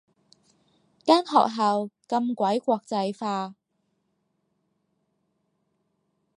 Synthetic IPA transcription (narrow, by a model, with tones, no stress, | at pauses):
kaː˥nɦɔ̰ː˨k̚ɦɐ˨wkɐ˧mkʷɐ˨˥jkʷɔː˧k̚t͡sɐ˧jfaː˧